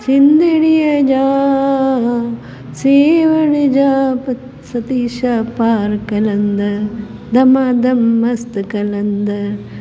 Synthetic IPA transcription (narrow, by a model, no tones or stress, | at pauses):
sind̪iɽijɐd͡ʒaː | siːʋɐɳid͡ʒaːpɐ | sɐt̪iʃapaːɾkɐlɐnd̪ɐ | d̪ɐmaːd̪ɐmːɐst̪ɨkɐlɐnd̪ɐ